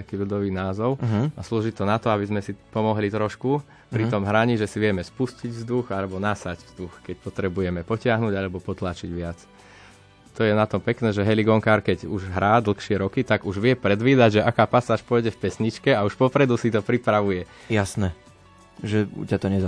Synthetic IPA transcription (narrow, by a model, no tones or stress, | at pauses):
t̪akiːʎud̪ɔʋiːnaːzɔʊɦasluːʒit̪ɔnat̪ɔabizmɛsipɔmɔɦlit̪ɾɔʃku | pɾit̪ɔmɦɾaɲiʒɛsiʋɪɛmɛspusciɟvzd̪uxalɛbɔnasaɟvz̥d̪uxkɛcpɔt̪ɾɛbujɛmɛpɔcɪaɦnuːɟalɛbɔpɔt̪laːt͡ʃiɟʋɪat͡s | t̪ɔjɛnat̪ɔmpɛknɛːʒɛɦɛliɡɔŋkaɾkɛɟuʒɦɾaːd̪l̩xʃɪɛɾɔkit̪aɡuʒʋɪɛpɾɛd̪ʋiːd̪aɟʒɛʔakaːpasaːʃpɔjɟɛfpɛsɲit͡ʃkɛauʃpɔpɾɛd̪usit̪ɔpɾipɾaʋujɛ | jasnɛ | ʒɛcat̪ɔɲɛz